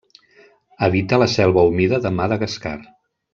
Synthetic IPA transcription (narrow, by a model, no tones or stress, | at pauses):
əβit̪ələsɛlˠβəumiðəðəmaðəɣəska̰r